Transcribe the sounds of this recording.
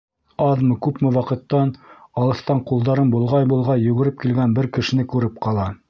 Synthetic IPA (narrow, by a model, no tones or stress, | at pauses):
ɑðmɤkʉpmɘwɑqɤ̆t̪ːɑnɑlˠɤ̆θt̪ɑɴqulˠd̪ɑɾɤnbulˠʁɑjbulˠʁɑjɵ̆ɡɘ̆ɾɘp̚kilɡænbɘɾkɘ̆ʃɘ̆nɘkʉɾɘp̚qɑlˠɑ